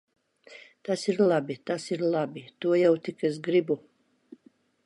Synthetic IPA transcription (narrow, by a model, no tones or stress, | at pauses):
t̪asiɾlˠabʲit̪asiɾlˠabit̪uɔjawt̪ikɛs̬ɡɾibu